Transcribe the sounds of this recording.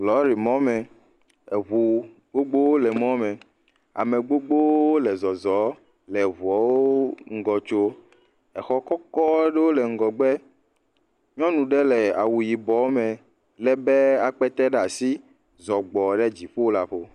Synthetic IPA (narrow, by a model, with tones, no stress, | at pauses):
lɔ˨˦ɾi˨mɔ̃˦mɛ̃˨ | e˨βu˨ | ɡ͡bo˦ɡ͡bo˦wo˦lɛ˨mɔ̃˦mɛ̃˨ | a̰˨me˨ɡ͡bo˦ɡ͡bo˦o˦lɛ˨zɔ˨zɔ˨˦ | lɛ˨βu˨ɔ˨wo˦ŋ̩˦ɡɔ˨t͡ʃo˦ | ɛ˨xɔ˦kɔ˦kɔ˦ɖe˦wo˦lɛ˨ŋ̩˦ɡɔ˨ɡ͡bɛ˦ | ɲɔ̃˦nũ˨ɖɛ˦le˨a˨wu˨ji˨bɔ˨˦mẽ˨ | lɛ˦be˦a˨k͡pɛ˦t̪ɛ˦ɖa˨si˦ | zɔ˨ɡ͡bɔ˨ɖɛ˦d͡ʑi˨ɸo˦la˨ɸo˦